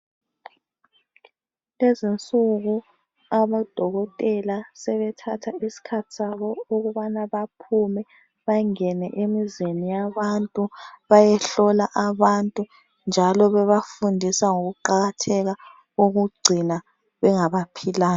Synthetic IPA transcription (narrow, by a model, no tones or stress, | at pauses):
lezint͡sʼuɣu | aβad̥ʱɔɣɔtʼɛlasɛβɛtʰatʰaisi̥kʰatʰi̥saβɔoɣuβanaβapʰumɛ | βaŋɛnɛʔemizenijaβantʼuβajɛɬɔlaʔaβantʼu | nd͡ʒʱalɔβɛβafundʱisaŋoɣuǃaɣatʰɛɣa | oɣuɡ͡ǀʱina | βɛŋaβapʰilaːn